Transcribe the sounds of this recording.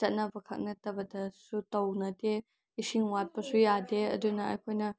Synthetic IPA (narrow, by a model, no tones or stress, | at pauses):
t͡ʃɐt̚nɐbɐkʰɐ̰k̚nɐtɐbɐdɐsutɐwnɐde | isiŋwat̚pɐsujadeɐ̰dunɐɐ̰jkʰojnɐ